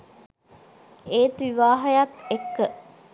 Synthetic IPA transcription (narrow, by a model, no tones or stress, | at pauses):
eːt̪ʋiʋaːɦɐjat̪ekːə